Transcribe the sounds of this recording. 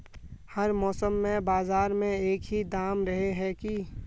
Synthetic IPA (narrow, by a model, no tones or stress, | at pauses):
həɾmɔːsəmːẽbaːzaːɾmẽeːkɦid̪aːmɾəɦeɦɛki